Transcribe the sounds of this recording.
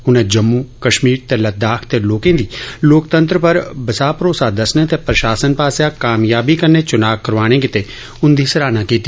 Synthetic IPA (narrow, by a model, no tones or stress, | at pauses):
ʊnẽːd͡ʒəmːuːkəʃmiːɾt̪eːləd̪aːkʰt̪eːloːkẽːd̪iːloːkt̪ə̃nt̪ɾəpəɾbəsaːpɾoːsaːd̪əsnẽːt̪epɾəʃaːsənpaːsjãkaːmjaːbiːkəɾneːt͡ʃʊnaːkkəɾʋaːɽ̃ẽːk̬ɪt̪eː | ʊnd̪iːsəɾaːnãːkiːt̪ːi